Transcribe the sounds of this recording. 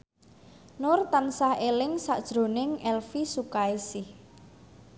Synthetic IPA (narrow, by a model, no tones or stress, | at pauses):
nʊrt̪ansahelɪŋsa̰ʔd̥ʒ̥ɾo̤nɪŋɛlfisukaisɪh